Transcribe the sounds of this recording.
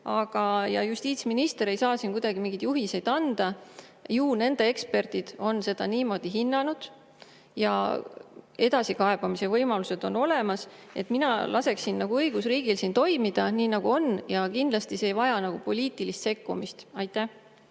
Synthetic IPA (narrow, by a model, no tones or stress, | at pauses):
ɑɡ̥ɑjɑ̰just̪iːt̪sminist̪e̞ɾe̞jsɑːsinkujd̪ɑɡimiŋɡ̥id̪̥juɦise̞jd̪̥ɑnd̪̥ɑ | juːne̞nd̪̥ee̞kspe̞rt̪id̪̥o̞nse̞d̪̥ɑniːmo̞ːd̪̥iɦinːɑnud̪̥ | jɑ̰ | e̞d̪ɑsikɑe̞b̥ɑmise̞vɤjmɑluse̞d̪̥o̞no̞le̞mɑse̞t̪ːˑminɑlʔɑse̞ksinːɑɡ̥uɤjɡ̥usriːɡ̥ilsiːnt̪o̞jmid̪̥ɑniːnɑɡ̥uo̞njɑkind̪lɑst̪ise̞ːjvɑjɑnɑɡ̥upo̞lʲiːt̪ilist̪se̞kːumist̪ɑjt̪ːˑæh